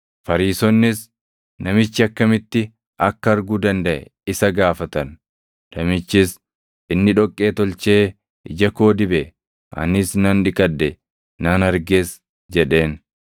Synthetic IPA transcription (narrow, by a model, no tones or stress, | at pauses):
fɐɾiːsɔnːɪs | nɐmɪt͡ʃːɪɐkːɐmɪt̪ːɪ | ʔɐkːɐɐɾɡuːd̪ɐnd̪ɐʔɛ̰ɪsɐɡaːfɐt̪ɐn | nːɐmɪt͡ʃːɪs | ɪnːɪᶑɔkʼːe̞ːt̪ɔlt͡ʃe̞ː | ɪd͡ʒɐko̞ːd̪ɪbɛ | ʔɐ̰nɪsnɐnᶑɪkʼɐd̪ːɛ | nɐnɐɾɡeːs | d͡ʒɛᶑe̞ːn